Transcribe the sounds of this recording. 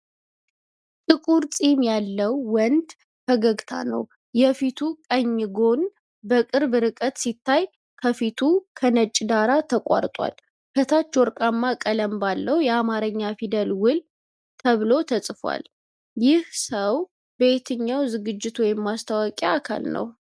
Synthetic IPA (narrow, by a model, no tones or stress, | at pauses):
t̪ʼɨkʼuɾsʼimjalːəwːɔnd̪ | fəɡəɡt̪ʰa̰nə̰w | jɛfit̪ʰukʼəɲːɡo̞n | bəkʼɨɾbɨɾɨkʼət̪sit̪ʰːaj | kʰəfit̪ʰukʰənət͡ʃʼd̪aɾat̪ʰəkʷʼa̰ɾt̪ʼwa̰l | kʰət̪ʰat͡ʃːwɔɾkʼamːakʼələmbalːəwjɛamaɾəɲːafid̪əlwʊl | t̪ʰəβlo̞t̪ʰəsʼfwa̰l | jɪhsəw | be̞t̪ʰɨɲːawzɨɡɨd͡ʒːɪt̪wɔjɪmːast̪ʰawɔkʼjaakʰa̰lnə̰w